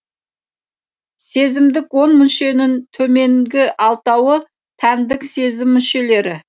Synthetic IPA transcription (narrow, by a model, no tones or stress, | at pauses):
se̞zɪmd̪ɪkwo̞nmʏnʃe̞nɪnt̪ʰɵme̞ŋɡʲɪʔɑlˠt̪ɑwə | t̪ʰænd̪ɪkse̞zɪmːʏʃe̞le̞ɾɪ